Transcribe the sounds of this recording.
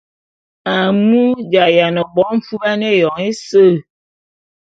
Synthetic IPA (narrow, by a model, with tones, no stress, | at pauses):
a˨mu˦d͡ʒa˨ja˨nɔ˨bɔ˨˦m̩˦fu˦a˦ne˦˨jɔ˨ŋe˦sə˦˨